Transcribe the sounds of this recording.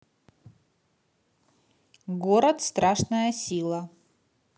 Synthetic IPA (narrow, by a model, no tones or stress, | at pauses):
ɡoɾɐt̪st̪ɾʔaʂnəjəsʲilˠɐ